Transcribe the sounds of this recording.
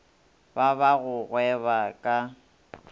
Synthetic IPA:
baβaɣʊɣwɛβakʼa

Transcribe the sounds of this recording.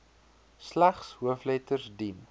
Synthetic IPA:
slæχshuəflɛtərsdin

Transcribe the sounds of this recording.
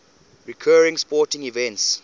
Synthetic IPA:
ɹikʰɜːɹɪ̃ŋspɔːˑtɪ̃ŋivɛ̃nts

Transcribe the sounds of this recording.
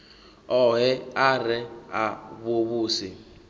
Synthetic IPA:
ɔɦɛarɛaβoβuːsɪ

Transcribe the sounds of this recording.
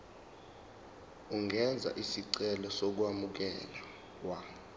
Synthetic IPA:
uŋʱɛnd͡zʱa̰ʔisiǀɛlɔsok̬wamuk̬ɛla | wa

